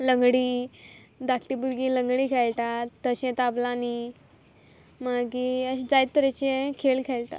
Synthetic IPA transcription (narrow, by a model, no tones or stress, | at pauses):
ləŋɡɽiː | d̪akʈibuɾɡĩləŋɡɽiːkʰelʈ̪aːəɕɛ̃t̪ablani | maɡiəd͡zajt̪̚t̪əɾet͡ɕẽkʰelkʰelt̪a̰